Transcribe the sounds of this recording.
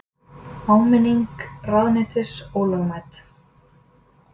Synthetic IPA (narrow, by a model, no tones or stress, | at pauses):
awmɪniŋkraðnɪt̪ɪ̥sɔwlœɣmajt̪